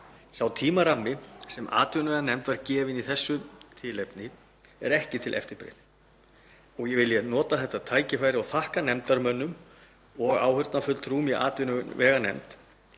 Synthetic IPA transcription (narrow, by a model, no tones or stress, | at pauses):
sawt̪ʰiːmaɾamːɪsɛma̰ːt̪ʏnvɛːɣanɛmt̪vaɾcɛːvɪniθɛsːʏt̪ʰɪːlɛpnɪ | ɛɾɛhcɪt̪ʰɪlʔɛ̰ft̪ɪɾpɾḛn | ɔɣjɛvɪljɛnɔːt̪aθɛht̪ːat̪ʰaːjcɪfajɾɪɔwθahkanɛmt̪aɾmœnːʏm | ɔɣa̰ːwhʏɾt̪nafʏlt̪ʰɾuːmiʔa̰ːt̪ʏnʏʏnvɛːɣanɛ̰mt̪